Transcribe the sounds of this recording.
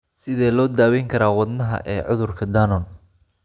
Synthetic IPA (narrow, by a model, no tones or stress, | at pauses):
sɪðɛːlɔːd̪aːwɛjŋkʰɐɾaːwɑd̪nɐɦɐ̰ʔɛːʕʊðʊrkʰɐd̪aːnɔn